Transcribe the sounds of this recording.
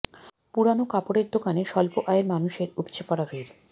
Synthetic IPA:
puɽanokapoɽeɾd̪okaneʃɔlpoʔajeɾmanuʃeɾupt͡ɕʰepaɽabʱeɾ

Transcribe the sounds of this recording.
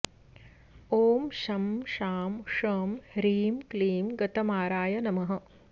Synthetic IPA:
oːmʃɐmʃaːmʂɐmɾiːmkliːmɡɐt̪ɐmaːɾaːjɐnɐmɐɦɐ̆

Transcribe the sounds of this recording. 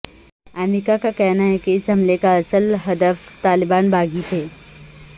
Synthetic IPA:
ɛːmɾɪkakakɛɦnaɦɛkeɪsɦɐmlekaɐsəlɦɐd̪əft̪aːlɪbaːnbaːɡit̪ʰeː

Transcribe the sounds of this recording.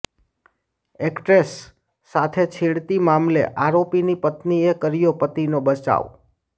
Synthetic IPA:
ekʈɾesː | at̪ʰet͡ʃʰiɽt̪imamlḛʔaɾopinipət̪niekəɾijopət̪inobət͡ʃa̰ʋ

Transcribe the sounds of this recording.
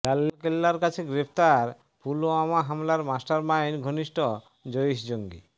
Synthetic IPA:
lalːokelːaɾkat͡ɕʰeɡɾep̚ʰt̪aɾ | puloamaɦamlaɾmasʈaɾmajnɡʱoniʃʈɔ | d͡ʑojʃd͡ʑoŋɡi

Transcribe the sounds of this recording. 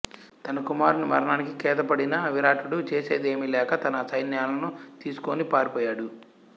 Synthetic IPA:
t̪ɐnɐkumaːɾnumɐ̰ɾɐɳaːnikikɛːt̪ɐpɐɽinɐɐʋiɾaːʈuɽut͡ʃe̞ːse̞ːd̪e̞ːmilɛːkɐt̪ɐnɐsɐjnjaːlɐnut̪iːsu̥koːnipaːɾipɔːjaːɽu

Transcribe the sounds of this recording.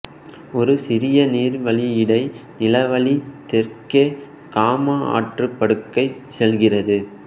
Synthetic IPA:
ɔɾɯsɪɾɪjɐniːɾʋɐɭijɪɽɐɪnɪlɐʋɐɭit̪ɛrke | kaːmɐa̰ːʈrɯpːɐɽɯkːɐɪsɛlɣɪrɐðɯ

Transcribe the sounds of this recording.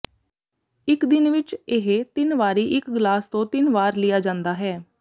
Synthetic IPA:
ɪkd̪ɪnʋɪt͡ʃeɦet̪ɪnʋaːɾiːʔɪkɡlaːst̪õːt̪ɪnʋaːɾlɪjaːd͡ʒãːnd̪aːɦɛː

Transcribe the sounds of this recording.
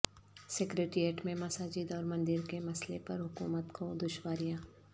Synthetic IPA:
sekɾeːʈɾieːʈmẽmɐsaːd͡ʒiːd̪ɔːɾmɐ̃nd̪ɪɾkemɐslepɐɾɦʊkṵːmət̪kʰod̪ʊʃwaːɾijaː

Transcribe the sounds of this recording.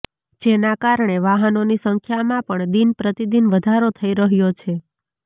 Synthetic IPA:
d͡ʒenakaɾɳeʋaɦənonisəŋkʰjamãpəɳd̪inpɾət̪id̪inʋəd̪ʱaɾot̪ʰəiɾəɦjot͡ʃʰe

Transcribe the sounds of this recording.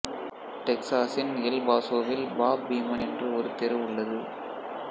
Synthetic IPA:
ʈɛksaːsɪnɛlbaːsoːʋɪlbaːbiːmɐnɛndrɯɔɾɯt̪ɛɾɐʋɯɭːɐðɯ

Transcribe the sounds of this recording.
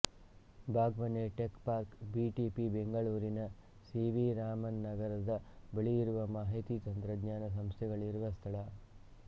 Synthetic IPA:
bʱaːɡʋɐneʈekpaːɾkbiːʈipibeŋɡɐɭuːɾinɐ | siːʋiɾaːmɐnːɐɡɐɾɐd̪ɐbɐɭijiɾuʋɐmaːɦit̪it̪ɐnt̪ɾɐɡ̪ɲaːnɐs̬ɐmst̪ʰɛɡɐɭiɾuʋɐst̪ʰɐɭɐ

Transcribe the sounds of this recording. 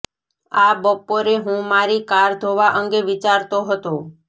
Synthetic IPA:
abəpoɾeɦũmaɾikaɾd̪ʱoʋaʔəŋɡeʋit͡ʃaɾt̪oɦət̪o

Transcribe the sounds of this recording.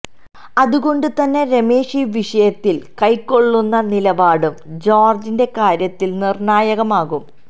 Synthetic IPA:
ɐðuɣo̞ɳɖɨt̪ɐnːe̞ɾe̞me̞ːʂiʋiʂɐjɐt̪ːilkɐjkːo̞ɭːunːɐnilɐbaːɽumd͡ʑoːrd͡ʑinde̞kaːɾjɐt̪ːilnirɳaːjɐɣɐmaːɣum

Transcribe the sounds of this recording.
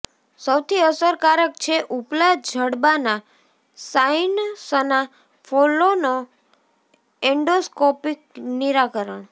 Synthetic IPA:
səwt̪ʰiəsəɾkaɾək̚t͡ʃʰeʔuplad͡ʒʱəɽbana | sainsəna | fʰolono | ɛɳɖoskopik̚niɾakəɾəɳ̃

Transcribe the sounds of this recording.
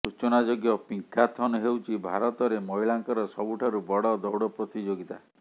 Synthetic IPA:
ɾut͡ʃɔnad͡ʒoɡjɔpiŋkʰat̪ʰɔnɔɦewt͡ʃʰibʱa̰ɾɔt̪ɔɾemɔɦilaŋkɔɾɔsɔbuʈʰaɾubɔɽɔd̪ɔwɽɔpɾɔt̪id͡ʒoɡit̪a

